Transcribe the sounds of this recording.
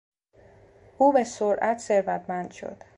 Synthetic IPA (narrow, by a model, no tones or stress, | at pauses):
ʔuːbesoɾʔæt̪ʰse̞ɾvæt̪ʰmænd̪̥ʃo̞̰d̪̥